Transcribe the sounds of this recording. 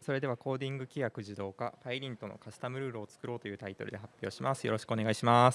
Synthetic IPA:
so̞ɾe̞d̪e̞βako̞ːd̪ʲĩŋɡɯ̟kʲijakɯ̟ʑid̪o̞ːkapaiɾʲĩnt̪o̞no̰kasɨ̥t̪amɯ̟ɾɯ̟ːɾoːt͡sɨ̥kɯ̟ɾo̞ːt̪o̞jɯ̟ːt̪ait̪o̞ɾɯ̟d̪e̞ɦapʲːjo̞̰ːɕimʔasɨjo̞ɾo̞ɕi̥kɯo̞ne̞ɡaiɕimas

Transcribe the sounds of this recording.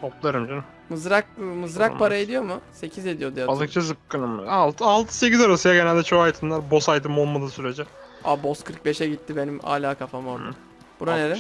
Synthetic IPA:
t̪ʰoplˠaɾɯmd͡ʒon | mɯzɾak̚mɯzɾakkpʰaɾaed̪ijo̞mʊse̞cʰize̞d̪ijo̞d̪ijabaɯk̚t͡ʃʰazɯp̚kɯnɯm̰alˠt̪ʰɯalˠt̪ʰɯ̥secʲizaɾasɯjaɟenælʲd̪ɛt͡ʃʰoajt̪ʰɯnlˠaɾbo̞sajt̪ʰɯmo̞lˠmad̪ɯːsyɾed͡ʒɛa̰bo̞skʰɯɾk̚be̞ʃɛɟit̪ʰːibe̞nima̰ːlʲaːkʰafamoɾd̪ɯ | buɾaneɾɛ

